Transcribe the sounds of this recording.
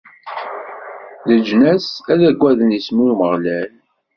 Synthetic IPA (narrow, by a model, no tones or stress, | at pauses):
ðəd͡ʒnæsæðæɡʷːæðənismuməʁlæl